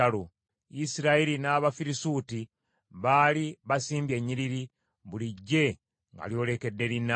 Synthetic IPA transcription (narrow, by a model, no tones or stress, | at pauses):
alo | isiɾaiɾinaːβafiɾisuːti | βaːliβasiːmbje̞ɲːiɾiɾi | βuliɟːe̞ | ŋɡa̰ljo̞ːle̞ke̞dːe̞linːa